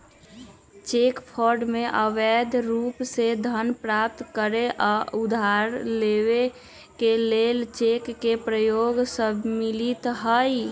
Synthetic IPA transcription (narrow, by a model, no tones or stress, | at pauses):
t͡ʃeːkpʰɔɾɖmẽʔəʋed̪ʱɾuːpsed̪ʱənpɾap̚t̪kəɾeʔɔud̪ʱaɾlewe | kelelt͡ʃekːepɾəjoːɡsəbʱmilit̪ɦəj